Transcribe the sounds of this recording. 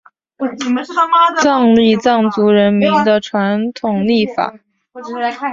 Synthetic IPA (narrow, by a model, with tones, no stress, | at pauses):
t͡sɑ˥˧ŋli˥˧t͡sɑ˥˩ŋt͡su˧˥ɻə˧˥nmi˧˥ŋd̪ə˧ʈ͡ʂʰwa˧˥nt̪ʰʊ˨˩ŋli˥˩fa̰˨˩˦